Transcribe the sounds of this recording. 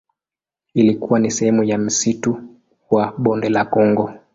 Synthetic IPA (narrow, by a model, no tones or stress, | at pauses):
ilikuwanisɛhɛmujam̩situ | waɓɔndɛlakɔŋɡɔ